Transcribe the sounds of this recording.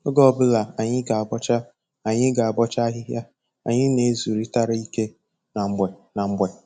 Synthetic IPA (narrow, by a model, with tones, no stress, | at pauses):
o˦ɡɔ˦˨bʊ˦la˨a˨ɲɪ˦ɡa˨bɔ˦t͡ʃa˦ | a˨ɲɪ˦ɡa˨a˨bɔ˦t͡ʃa˦ɦɪ˦ɦja˦ | a̰˨ɲɪ˦ne˨˦zu˨ɾi˦ta˦ɾa˦i˦ke˦ | na˨ŋ͡m̩˨ɡ͡bʷɛ˨na˨ŋ͡m̩˦ɡ͡bʷe˨